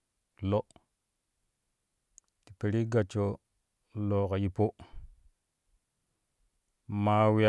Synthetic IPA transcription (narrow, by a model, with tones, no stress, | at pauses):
lo˦ | ti˨pe˨ɾi˦ɡa˨t͡ʃo˦ | lo˨ka˨ji˨po˦ | ma˦wi˦a˦